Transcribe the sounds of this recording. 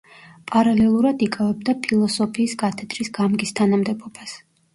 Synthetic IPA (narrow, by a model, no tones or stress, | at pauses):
pʼaɾalɛlˠuɾad̪ikʼavɛbd̪apʰilˠɔsɔpʰiːskʼat̪ʰɛd̪ɾisɡamɡist̪ʰanamd̪ɛbɔb̥as